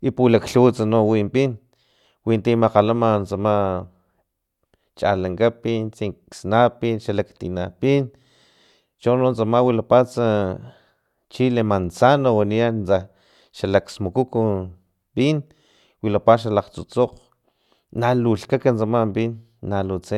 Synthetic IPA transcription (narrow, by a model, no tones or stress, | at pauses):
ipulakɬut͡sanowimpin | wint̪imaqalamant͡sama | t͡ʃa̰laŋkapint͡siŋksnapinʃalakt̪ḭnapin | t͡ʃonont͡samawilapat͡sa | t͡ʃilemant͡sanowaniant͡sa | ʃalaksmukuku | pin | wilapaʃ̬alaqt͡sṵt͡soqː | aluɬkakant͡samambinː | alut͡se